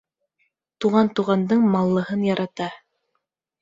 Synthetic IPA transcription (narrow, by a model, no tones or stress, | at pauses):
t̪uʁɑnt̪uʁɑnd̪ɤɴmɑlˠːɤ̆hɤnjɑɾɑt̪ɑ